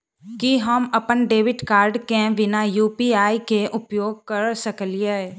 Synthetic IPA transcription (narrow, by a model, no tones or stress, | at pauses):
kiɦəmɐpənɖeːʋɪɖkaːɾɖkẽʋɪnajuːpiaːikeʔʊpjoːɡ̚kɐɾsəklie